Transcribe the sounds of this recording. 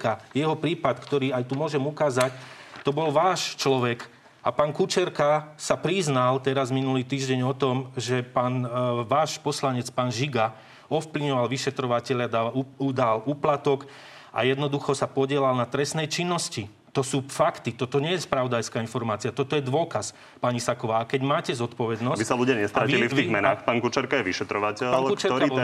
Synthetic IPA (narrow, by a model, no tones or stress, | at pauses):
kajɛɦɔpɾiːpat̪kt̪ɔɾiːajt̪umʊɔʒɛmukaːzact̪ɔbɔlʋaːʃt͡ʃlɔʋɛk | apaːnkut͡ʃɛɾkasapɾiznalt̪ɛɾazminuliːt̪iːʒɟɛɲɔt̪ɔmʒɛpaːnʋaːʃpɔslaɲɛt͡spaːnʒiɡa | ɔfpliʋɲɔʋalʋiʃɛt̪ɾɔʋacɛʎad̪aud̪aluːplat̪ɔk | ʔa̰jɛd̪nɔd̪uxɔsapɔɟɪɛlalnat̪ɾɛsnɛjt͡ʃinːɔsci | t̪ɔsuːfakt̪it̪ɔt̪ɔɲɛjɛspɾaʊd̪ajskaːinfɔɾmaːt͡siat̪ɔt̪ɔjɛd̪ʋʊɔkas | paɲisakɔʋaːakɛɟmaːcɛzɔt̪pɔʋɛd̪nɔsbisaluɟɪaɲɛst̪ɾatilifiːɣmɛnaːxpaːnkut͡ʃaɾkajɛʋiʃɛt̪ɾɔʋacɛaːlkukt͡ʃaɾɔɾa